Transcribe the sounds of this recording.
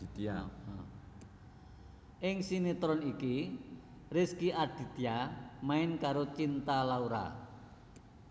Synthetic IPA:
it̪ia | ʔɪŋsinit̪ɾɔniki | rɪskiʔad̪̥i̤t̪ijamaɪnkaɾot͡ʃint̪alauɾa̰

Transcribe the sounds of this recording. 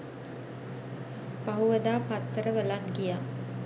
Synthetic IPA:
paɦuʋəd̪aːpat̪ːəɾəʋəlanɡija

